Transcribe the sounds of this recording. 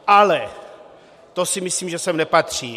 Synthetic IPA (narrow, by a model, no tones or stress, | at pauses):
ʔalɛ | t̪osɪmɪsliːmʒɛsɛmnɛpat̪r̝̥iː